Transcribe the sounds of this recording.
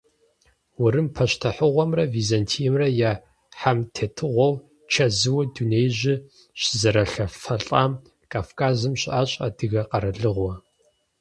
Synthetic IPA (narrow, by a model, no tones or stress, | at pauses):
wʊɾɨmpʰɐɕtʰɐħʊʁʷɔmrɐviːzantʰijɛmrɐjaː | ħamtʰeːtʰɨʁʷɔw | t͡ʃʰɐzɨwɐdunejʑɪ | ɕɪzɐɾɐɬɐfɐɬʼaːm | kʼaːfkʰaːzɨmɕaːɕʼɐ̰d̥ɨɣɐqɐɾɐɮɨʁʷɔ